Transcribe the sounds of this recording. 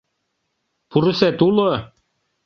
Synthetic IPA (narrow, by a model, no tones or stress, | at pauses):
puɾɘ̆sæt̪ulˠɤ